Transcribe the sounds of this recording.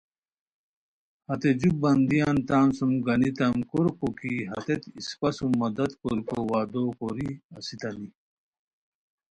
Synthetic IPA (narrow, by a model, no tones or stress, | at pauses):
hɐt̪ed͡ʑuk̚bɐnd̪ijaːnt̪aːnsumɡɐnit̪ɐmkuɾkukiɦɐ̰t̪et̪ispɐsumːɐd̪ɐt̪koɾikowaːd̪oːkoɾiɐsit̪ɐni